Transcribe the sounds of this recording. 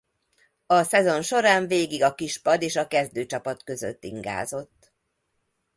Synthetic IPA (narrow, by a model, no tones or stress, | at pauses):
ɒsɛzo̞nʃo̞ɾaːɱveːɡiɡɒkiʃpɒd̪eːʃɒkɛzd̪øːt͡ʃɒpɒt̪kø̞zø̰t̪ːḭŋɡa̰ːzo̞t̪ː